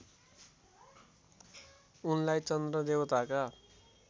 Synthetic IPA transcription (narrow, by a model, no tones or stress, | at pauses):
unlajt͡sʌnd̪rʌd̪ewʌt̪aka